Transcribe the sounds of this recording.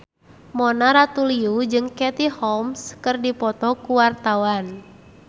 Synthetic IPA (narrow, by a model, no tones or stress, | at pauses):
mɔnaɾat̪uliud͡ʒɨŋkɛt̪ihɔmskɨrdipɔt̪ɔkuwart̪awan